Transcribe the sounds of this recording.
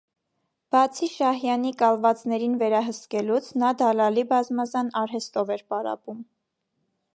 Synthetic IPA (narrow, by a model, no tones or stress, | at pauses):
b̥ɑt͡sʰiʃɑhjɑnikɑlvɑt͡sn̪ɛɾinvɛɾɑɦəskɛlut͡sʰnɑd̪ɑlɑlibɑzmɑzɑnɑɾɦɛst̪ɔvɛɾpɑɾɑ̰pum